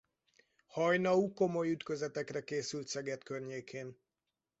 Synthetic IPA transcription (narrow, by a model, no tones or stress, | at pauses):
hɒjnɒuko̞mo̞jyt̪kø̞zɛt̪ɛkrɛkeːsylt̪sɛɡɛt̪kørɲeːkʰeːn